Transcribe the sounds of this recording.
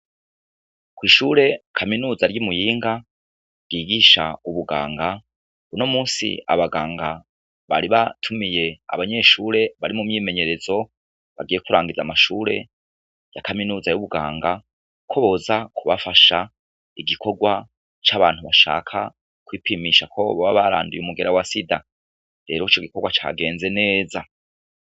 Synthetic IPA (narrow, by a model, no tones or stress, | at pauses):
kwiːʃuːɾe̞kʰaminuːzaɾjimujiːŋɡa | ɡiːɡiʃauβuɡa̰ːŋɡa | uno̞muːnsḭa̰βaɡaːŋɡa | βa̰ɾiβatʰumije̞a̰βaɲe̞ʃuːɾe̞βaɾimumɲiːme̞ɲe̞ɾe̞zo̞ | βaɡiːjekuɾaːŋɡizamaʃuːɾe̞̰ | jakaminuːzajuβuɡa̰ːŋɡa | kʰo̞βo̞zakʰuβafaʃa | iɡikʰo̞ɡwa | t͡ʃaβaːn̥huβaʃa̰ːkʰa̰ | kwipimiʃakʰo̞βoβaβaɾa̰ːndujumuɡe̞ɾawasida | ɾe̞ɾoit͡ʃoɡikoɡwat͡ʃa̰ɡe̞ːnze̞ne̞ːza